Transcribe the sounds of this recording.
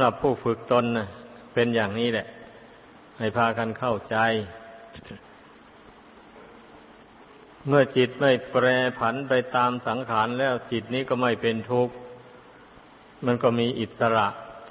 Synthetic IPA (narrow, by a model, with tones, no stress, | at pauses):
a˧˦mɾa˨˩pʰːuː˥˩fɯ˨˩k̚t̪o˧nːa˧˩ | pe˧njaː˨˩ŋniː˦˥˩lɛ˨˩ʔ | ha˥˩jpʰaː˧kʰa˧nkʰa˥˩wt͡ɕa˧j | mɯ˥˩ɐt͡ɕi˨˩t̪̚ma˥˩jpɾɛː˧pʰa˩˦˥npa˧jt̪aː˧msa˩˦ŋkʰaː˩˦nlɛː˦˧˥wt͡ɕi˨˩t̪̚niː˥˩kɔː˥˩ma˥˩jpe˧nt̪ʰu˧˩k̚ | ma˧˥nkɔː˥˩miː˧ʔi˨˩t̪̚sa˧ɾa˨˩ʔt̪